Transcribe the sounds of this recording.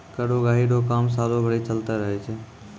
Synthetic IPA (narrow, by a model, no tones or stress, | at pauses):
kəɽoɡaːɦiɖokaːmsaːlobʱəɽit͡ʃəlt̪ɛɾəɦɛt͡ʃʰɛ